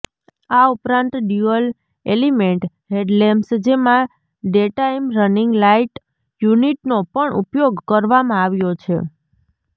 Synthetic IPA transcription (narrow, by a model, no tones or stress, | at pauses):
aupɾãnt̪ɖjuəl | elimeɳʈ | ɦeɖlemsd͡ʒemã | ɖeʈaimɾənɪŋɡlaiʈ | juniʈnopəɳʔṵpjoɡkəɾʋamãaʋjot͡ʃʰḛ